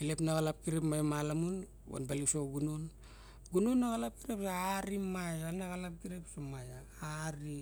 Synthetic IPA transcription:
ilepnaɣalap̚kiɾepmajamalamun | wo̰nbalisoɡunon | ɡunonːaɣalap̚kiɾepsaaɾimajaanaɣalap̚kiɾepsomaja | aɾi

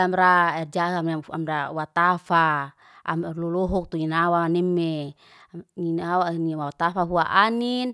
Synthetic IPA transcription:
amɾaɛrd͡ʒakama̰mdawat̪afa | a̰mɛrlulɔɦɔk̚t̪uinawanɛmːe | inawaniwawat̪afaɦuaʔanin

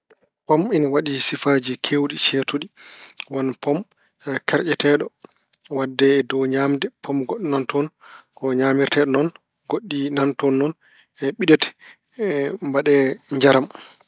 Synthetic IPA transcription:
pɔminawaɗisifaːd͡ʒikʰewɗit͡ʃetuɗiwanpɔm | kaɾʔɛtɛɗɔ | wadːɛːdɔɲaːmdɛpʰɔmɡoɗːnantɔnkɔɲaːmiɾtɛɗɔnɔn | ɡoɗːinantɔnːɔn | ɛɓiɗɛtɛ̥ | mbaɗɛɲd͡ʒaɾam

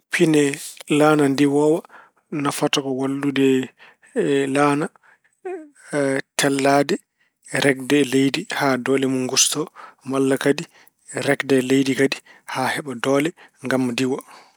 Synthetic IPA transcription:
pʰinɛlaːnandiwɔwa | nafatakɔwalːudɛ | laːna | tʰɛlːaːdɛ | ɾɛk̚dɛlejdihadɔːlɛmunɡustɔmalːakadi | ɾɛkdɛlejdikadihahɛɓadɔːlɛŋɡamdiwa

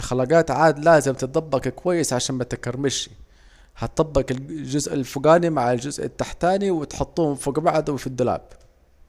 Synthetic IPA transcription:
xalaːɡaːt̪ʕaːd̪laːzɪmt̪t̪̚d̪ˤɑbːɑkkwajːɪsʕaʃaːnmat̪ɪkɑɾˤmɪʃi | hat̪̚d̪ˤɑbːɑkɪd͡ʒʊzʔalfʊɡaːnimaʕald͡ʒʊzʔɪ̰t̪ːaħt̪aːniwɪt̪ħʊt̪ˤːuːhʊmfuɡabaʕd̪wɪfid̪ːʊla̰ːb̥

